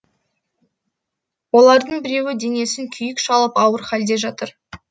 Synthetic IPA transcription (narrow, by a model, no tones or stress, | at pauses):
wo̞lˠɑɾd̪əɴbɪɾe̞wɪd̪e̞ŋe̞sɪŋkʲʰʏjɪkʃɑlˠəpɑwəɾχæld̪e̞ʒɑt̪əɾ